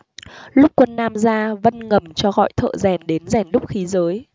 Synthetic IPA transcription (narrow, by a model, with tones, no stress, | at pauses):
lʊ˦˥k͡p̚kwə˧nːaː˧mzaː˧və˧nŋə˨˩mt͡ɕɔ˧ɣɔ̰˧˨jt̪ʰə̰ː˧˨zɛ˨˩nɗe˨˦nzɛ˨˩nɗʊ˦˥k͡p̚xi˨˦zəː˨˦j